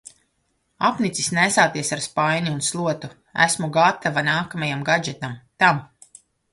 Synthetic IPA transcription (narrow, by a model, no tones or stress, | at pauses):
apnit̪sisnæsaːt̪iɛsaɾspajɲuunslˠuɔt̪u | æ̰smuɡat̪avanaːkamajamɡad͡ʒɛt̪amt̪am